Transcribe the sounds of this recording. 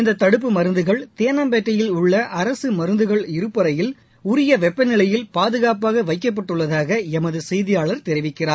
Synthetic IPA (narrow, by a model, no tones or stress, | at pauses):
ɪnd̪ɐt̪ːɐɽɯp̬ːɯmɐɾɯnd̪ɯɣɐɭt̪eːnɐmbɛːʈːɐjɪlʊɭːɐʔɐɾɐsɯmɐɾɯnd̪ɯɣɐɭɪɾɯpːɐɾɐjɪl | ʊɾɪjɐʋɛpːɐnɪɭɐjɪlpaːðɯɣaːpaːɣɐʋɐɪkːɐp̬ːɐʈːɯɭːɐðaːɣɐɛmɐðɯsɛjðɪjaːɭɐɾt̪ɛɾɪʋɪkːɪraːɾ